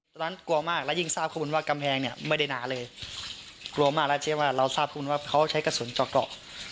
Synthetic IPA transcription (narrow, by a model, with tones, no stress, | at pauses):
t̪ɔː˧na˦˥nku˧ɐmaː˥˩k̚lɛ˦˥˩ji˥˩ŋsaː˥˩p̚ʰɔː˧˥˩u˩˦wːka˧mpʰɛː˧ŋni˥˩ɐma˥˩jda˥˩jnaː˩˦lɤː˧j | klu˧ɐmaː˥˩klɛ˦˥˩t͡ɕʰi˥˩waː˥˩ɾa˧wsaː˥˩p̚kʰɔː˥˩˨u˧˦nwaː˥˩kʰa˦˥wt͡ɕʰa˦˥jka˧su˨˩˦nt͡ɕɔː˨˩k̚lɔ̰ː˨˩k̚